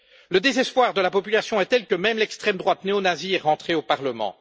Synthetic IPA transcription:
ləd̪ezɛspwaʁd̪əlapɔpylasjɔ̃ɛt̪ɛlkəmɛmlɛkst̪χɛmd̪ʁwat̪neonaziɛʁɑ̃t̪χeopaʁləmɑ̰̃

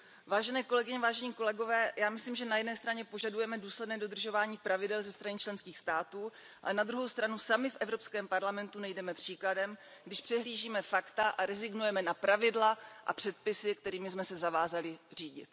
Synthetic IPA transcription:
vaːʒɛnɛːko̞lɛɡɪɲɛvaːʒɛɲiːko̞lɛɡo̞vɛːjaːmɪsliːmʒɛnajɛdnɛːst̪ɾaɲɛpo̞ʒadujɛmɛduːslɛdnɛːdo̞d̪r̩ʒo̞vaːɲiːpɾavɪdɛlzɛst̪ɾanit͡ʃlɛnskiːxst̪aːt̪uː | ʔa̰lɛnad̪ɾuɦo̞wst̪ɾanusamɪfʔɛvɾo̞pskɛːmpaɾlamɛnt̪unɛjdɛmɛpr̝̥iːkladɛm | ɡdɪʃpr̥ɛɦliːʒiːmɛfakt̪aʔaɾɛzɪɡnujɛmɛnapɾavɪdlaʔa̰pr̥ɛt̪̚pɪsɪkt̪ɛɾiːmɪsmɛsɛzavaːzalɪriːɟɪ̰t̪

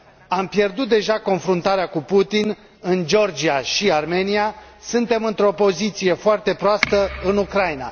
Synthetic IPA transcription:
ampje̞rd̪ut̪̚d̪e̞ʒako̞nfɾunt̪aɾeakuput̪in | ɨnd͡ʒo̞rd͡ʒiaʃiarme̞nia | sɨnt̪e̞mɨnt̪ɾo̞po̞zit̪sije̞foart̪e̞pɾoast̪əɨnukɾajina̰

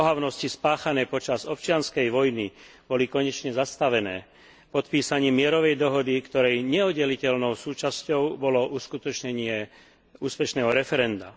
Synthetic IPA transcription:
pɔɦaʊnɔscispaːxanɛːpɔt͡ʃazɔp̚t͡ʃɪanskɛjʋɔjni | b̥ɔlikɔɲɛt͡ʃɲɛzast̪aʋɛnɛː | pɔt̪piːsaɲiːmɪɛɾɔʋɛjd̪ɔɦɔd̪ikt̪ɔɾɛjɲɛɔdɟɛlicɛlnɔʊsuːt͡ʃascɔʊbɔlɔʔuːskut̪ɔt͡ʃɲɛɲɪɛ | uːspɛʃnɛːɦɔɾɛfɛɾɛnd̪a̰

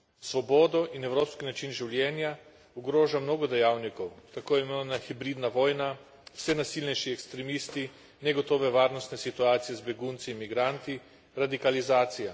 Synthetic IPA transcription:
sʋɔbɔːd̪ɔʔinɛwɾoːpskinat͡ʃinʒiwljɛːnja | uɡɾoːʒamnoːɡɔd̪ɛjaːwnikɔwt̪akoːjɛmenaxibɾiːd̪naʋɔːjna | w̥sɛnasilnɛjʃiɛkst̪ɾɛmiːst̪i | nɛɡɔt̪oːʋɛʋaːɾnɔst̪nɛsit̪uaːt̪sijɛzbɛɡunt̪sinmiɡɾant̪i | ɾad̪ikalizaːt̪sija

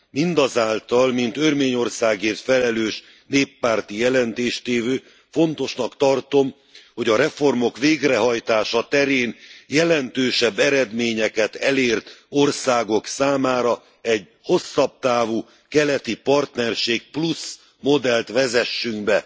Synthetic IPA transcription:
mind̪ɒzaːlt̪ɒlmint̪ørmeːɲo̞rsaːɡeːrt̪fɛlɛløːʃ | neːpːaːrt̪ijɛlɛnt̪eːʃt̪eːvøː | fo̞nt̪o̞ʃnɒkt̪ɒrt̪o̞m | ho̞ɟɒɾɛfo̞rmo̞kʋeːɡrɛɦɒjt̪aːʃɒt̪ɛɾeːnjɛlɛnt̪øːʃɛbːɛɾɛd̪meːɲɛkɛt̪ɛleːrt̪o̞rsaːɡo̞ksaːmaːɾɒ | ɛɟ | ho̞sːɒb̚t̪aːvuː | kɛlɛt̪ipɒrt̪nɛrʃeːk̚plus | mo̞d̪ɛlt̪ʋɛzɛʃːyŋɡbɛ

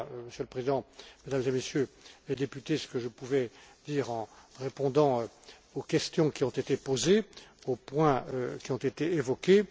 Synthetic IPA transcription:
məsjøləpχezid̪ɑ̃med̪amezemesjøled̪epyt̪esə̥kəʒəpuvɛd̪iːʁɑ̃ʁepɔ̃d̪ɑ̃ | okʲɛst̪jɔ̃kʲiɔ̃t̪et̪epozeopwɛ̃økʲiɔ̃t̪et̪eevɔkʲe

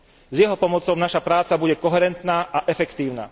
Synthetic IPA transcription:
zjɛɦɔpɔmɔt͡sɔʊnaʃapɾaːt͡sabuɟɛkɔɦɛɾɛnt̪naːʔaʔɛfɛkt̪iːʊna̰

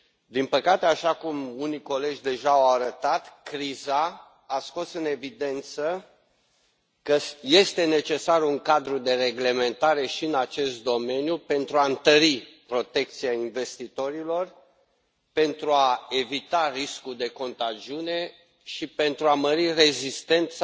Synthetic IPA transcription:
d̪inpəkat̪eaʃakumuniko̞le̞d͡ʒʲd̪e̞ʒaːawaɾət̪at̪kɾiza | asko̞sɨne̞vid̪e̞nt̪sə | kəje̞st̪e̞ne̞t͡ʃe̞saruŋkad̪ɾud̪e̞re̞ɡle̞me̞nt̪aɾe̞ʃiɨnat͡ʃe̞st̪̚d̪o̞me̞njupe̞nt̪ɾuaɨnt̪əɾipɾo̞t̪e̞k̚t̪siainve̞st̪it̪o̞ɾilo̞r | pe̞nt̪ɾuae̞vit̪ariskuld̪e̞ko̞nt̪ad͡ʒiune̞ | ʃipe̞nt̪ɾuaməɾire̞zist̪e̞nt̪s

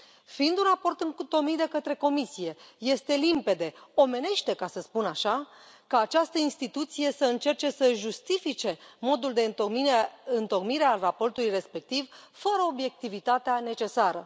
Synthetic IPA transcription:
fiind̪unrapo̞rt̪ɨt̪o̞kmit̪d̪e̞kət̪ɾe̞ko̞misije̞je̞st̪e̞limpe̞d̪e̞o̞me̞ne̞ʃt̪e̞kasəspunaʃa | kaːt͡ʃast̪əinst̪it̪ut̪sije̞səɨnt͡ʃe̞rt͡ʃe̞səʒust̪ifit͡ʃe̞mo̞d̪uld̪e̞ɨokmiɨnt̪o̞kmiɾealrapo̞rt̪ulujre̞spe̞k̚t̪ivfəɾəo̞bje̞k̚t̪ivit̪at̪eane̞t͡ʃe̞saɾə̰

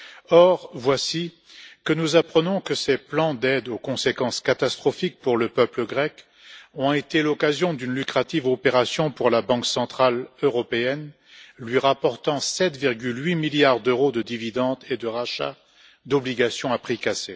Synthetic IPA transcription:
ɔʁvwasi | kənuzapχənɔ̃kəseplɑ̃d̪ɛd̪okɔ̃sekɑ̃skat̪ast̪χɔfik̚puʁləpœpləɡʁɛk | ɔ̃et̪elɔkazjɔ̃d̪ynlykχat̪ivɔpeʁasjɔ̃puʁlabɑ̃ksɑ̃t̪χaløʁɔpeɛn | lɥiʁapɔʁt̪ɑ̃sɛt̪viʁɡʲylɥimiljaʁd̪øʁod̪əd̪ivid̪ɑ̃d̪ed̪əʁaʃa̰ | d̪ɔbliɡasjɔ̃apχikase

